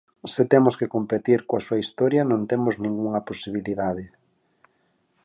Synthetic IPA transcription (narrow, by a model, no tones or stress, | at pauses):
sɪt̪emoskekompet̪iɾkoɐsuɐist̪ɔɾjɐnõnt̪emoznĩŋɡuŋɐposiβiliðaðɪ